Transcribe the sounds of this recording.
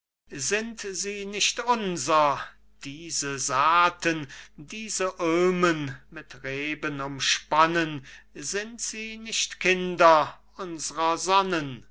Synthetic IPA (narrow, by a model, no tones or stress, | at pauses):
zɪntziːnɪʃtʊnzɐ | d̥iːzəzaːtəndiːzəʔøːmənmɪtʁeːbənʊmʃpanənzɪntz̥iːnɪʃtkʰɪndɐʔʊnzəʁɐzɔnən